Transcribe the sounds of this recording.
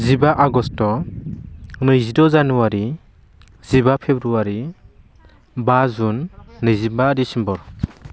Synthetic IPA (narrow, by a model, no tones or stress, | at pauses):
zibaʔaɡɔstɔ | nɯjzidɔzanuwaɾi | z̥ibapʰebɾuwaɾi | bazunːɯjzibaɾisimbɔɾ